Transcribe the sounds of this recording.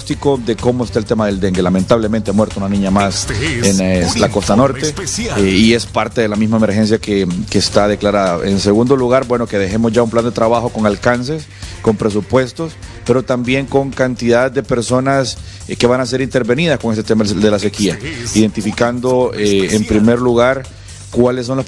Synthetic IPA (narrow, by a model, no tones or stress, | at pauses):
ost̪iko̞ðe̞ko̞moest̪aelt̪emaðe̞ld̪e̞ŋɡe̞lame̞nt̪aβlement̪emwe̞ɾt̪ounanĩɲamasenlako̞st̪ano̞ɾt̪e̞ie̞spaɾt̪e̞ðe̞lamizmaemeɾxe̞ns̬jakekeːst̪aðe̞klaɾaðao̰ʔe̞nse̞ɣund̪o̞luɣaɾbwe̞no̞ke̞ðe̞xe̞mozʝaumpland̪e̞t̪ɾaβaxo̞ko̞ŋalkans̬e̞s | ko̞mpɾe̞s̬upwe̞st̪o̞spe̞ɾo̞t̪ambje̞ŋko̞ŋkant̪iðaðd̪e̞peɾso̞nas | ke̞βanas̬e̞ɾint̪e̞ɾβe̞nið̞asko̞ŋest̪et̪emad̪ðe̞lase̞kiaiðe̞nt̪ifikand̪o̞eːmpɾime̞ɾluɣaɾ | kwalesːo̞nlos